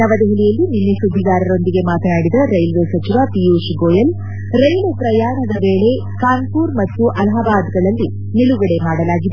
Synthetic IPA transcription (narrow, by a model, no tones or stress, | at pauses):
nɐʋɐd̪eɦilijɐlːininːesud̪ʱːiɡ̪aːɾɐɾo̞nd̪iɡe̞maːt̪ɐnaːɽid̪ɐɾɐjlʋeːsɐt͡ʃiʋapijuʃɡoːjɐl | ɾɐjlɐpɾɐjaːɳɐd̪ɐʋeːɭe̞ | kaːnpuːɾmɐt̪ːuʔɐlɐɦɐbaːd̪ɡɐɭɐlːi | niluɡɐɽe̞maːɽɐlaːɡid̪e